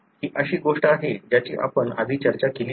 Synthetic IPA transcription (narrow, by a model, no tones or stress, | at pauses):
kiːʔəɕiːɡoʂʈəaɦed͡ʑjat͡ɕḭːʔa̰pəɳa̰d̪ʱiːt͡ɕəɾt͡ɕakelː